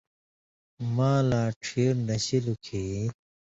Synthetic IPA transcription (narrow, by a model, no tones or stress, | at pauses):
maːlaːʈʰiɾnɐɕilukʰeː